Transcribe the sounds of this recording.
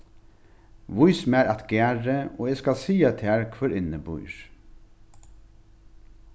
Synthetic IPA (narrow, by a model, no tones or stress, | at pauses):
ʋʊjsmæɾʔat̪ɡ̥æːɹəoːɛskɑlsiːat̪ʰæːɹkʰʋœɾɪnəbʊ̰ʏɹ